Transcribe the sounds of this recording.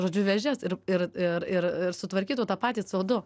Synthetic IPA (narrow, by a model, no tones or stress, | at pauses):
ʒoːd͡ʒʲʊʋʲɛʒʲɛsɪɾɪɾɪɾɪɾɪɾsʊt̪ʋɐɾʲkʲiːt̪oːt̪ɑpɑːt̪ʲiːt͡soːd̪ʊ